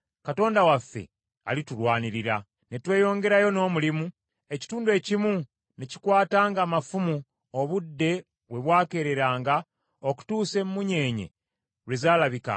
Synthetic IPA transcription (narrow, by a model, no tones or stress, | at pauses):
kato̞ːndawafːe̞̰ | a̰litulwaːniɾiɾa | netwe̞ːjo̞ːŋɡe̞ɾajo̞no̞ːmulimu | e̞ci̥tuːndue̞ːcimu | neci̥kwaːtaːŋɡaːmafumu | oβudːe̞ | we̞βwaːke̞ɾe̞ɾaːŋɡa | oku̥tuːse̞mumuɲe̞ːɲe̞̰ | ɾwezaːlaβika̰